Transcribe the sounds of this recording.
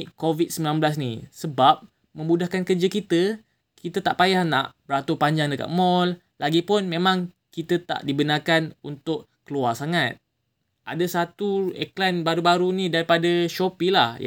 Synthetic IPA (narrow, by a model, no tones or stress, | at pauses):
ʔkovit̪̚səmbilanbəlas̬nḭsəbap̚ | mə̃mudahkankərd͡ʒəkit̪ə | kit̪ət̪aʔpajahna̰ʔbəɾat̪upaɲd͡ʒaŋdəka̰t̪̚mɔl | laɡipʊnmẽmãŋ | kit̪ət̪a̰ʔdibənakanunt̪ʊʔ | kəluarsaŋat̪̚ | a̰dəsat̪uḛklanbaɾubaɾunidaɾipadəʃopilahj